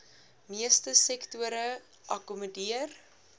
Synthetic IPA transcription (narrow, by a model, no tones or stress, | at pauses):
miəstəsɛktuəɾə | ʔɐkumədiər